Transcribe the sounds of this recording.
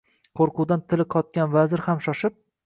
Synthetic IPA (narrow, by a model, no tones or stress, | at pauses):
qʰoɾqʰʊd̪ant̪ʰɪlɪqʰɒt̪̚kʲanvazɪɾhamʃɒʃɪp̚